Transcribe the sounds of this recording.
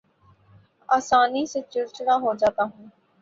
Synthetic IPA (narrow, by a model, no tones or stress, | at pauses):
aːsaːniset͡ʃʊɾt͡ʃɽaɦod͡ʒaːt̪aɦũː